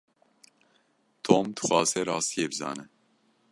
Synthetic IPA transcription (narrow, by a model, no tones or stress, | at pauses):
t̪ʰoːmd̪ɨ̥xʷɑːzɛɾɑːst̪ijeːbɨzɑ̰ːnɨ